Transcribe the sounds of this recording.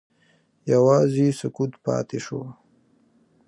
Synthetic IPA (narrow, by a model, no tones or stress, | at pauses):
jawɑːzisʊkut̪pɑ̰ːt̪eʃo̰